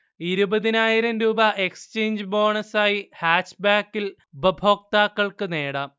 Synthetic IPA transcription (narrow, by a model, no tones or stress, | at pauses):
iɾubɐðinaːjiɾɐmɾuːbɐʔeksɨ̥t͡ɕeːɲd͡ʑɨbo̞ːɳɐsaːjihaːʂbaːkːil | ubɐbʱo̞ːk̚t̪aːkːɐɭkɨne̞ːɽaːm